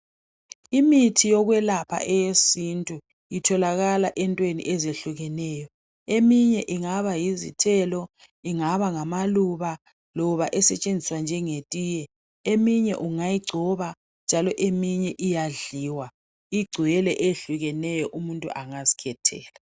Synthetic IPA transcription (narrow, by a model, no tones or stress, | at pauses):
imitʰijɔɣwɛlapʰa̰ʔɛjesintʼu | jitʰɔlaɣalaʔɛntʼwenḭʔɛzeɬuɣɛnɛːjɔ | emiɲɛʔiŋaβajizḭtʰɛlɔ | iŋaβaŋamaluβa | lɔβaʔɛsɛt͡ʃʼend͡zʱiswand͡ʒʱɛŋetʼiːjɛ | emiɲɛ̰ʔuŋajiɡ͡ǀʱɔβa | nd͡ʒʱalɔʔemiɲɛʔijaɮiwa | iɡ͡ǀʱujɛlɛʔeɬuɣɛnɛjɔʔumuntʼṵʔaŋazi̥kʰɛtʰɛ̰ːla